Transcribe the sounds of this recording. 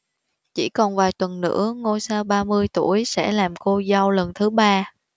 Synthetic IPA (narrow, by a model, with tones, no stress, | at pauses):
t͡ɕi˧˩kɔ˨˩nvaː˨˩jt̪wə˨˩nːɨ̰˧˥əŋo˧jsaː˧wɓaː˧mɨ˧əjt̪u˧˩əjsɛ̰˧˥laː˨˩mko˧za˧wlə˨˩nt̪ʰɨ˨˦ɓaː˧